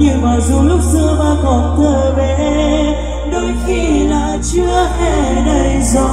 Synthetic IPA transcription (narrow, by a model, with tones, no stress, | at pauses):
ɲɨ˧˩vaː˨˩wzu˨˩lʊ˦˥k͡p̚zɨ˧əmaː˧˩kɔ˨˩nt̪ʰəː˨˩ve˨ʔ | ɗo˨˦jxi˧laː˨˩t͡ɕɨ˧əhe˧˩ɗə˧jzɔ˨˧˦